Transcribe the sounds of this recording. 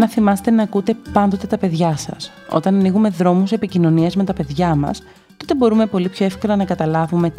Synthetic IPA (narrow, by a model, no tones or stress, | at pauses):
nɐθimɐse̥t̪enɐːkut̪e̞pɐnd̪o̞t̪e̞t̪ɐpe̞ðʝɐsɐ̰s | o̞̰t̪ɐnɐniɣume̞ðɾo̞muse̞picino̞niɐzme̞t̪ɐpe̞ðʝɐmɐ̰s | t̪o̞t̪e̞bo̞ɾume̞po̞lipço̞efko̞lɐnɐkɐt̪ɐlɐvume̞